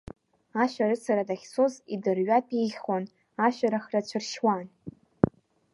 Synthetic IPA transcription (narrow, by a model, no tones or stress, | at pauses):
aʃʷᶣaɾɨt͡sʰaɾadaχʲsozidɨrɥapʼiχon | aʃʷᶣaɾaχrat͡ɕʷʰɨrʃwan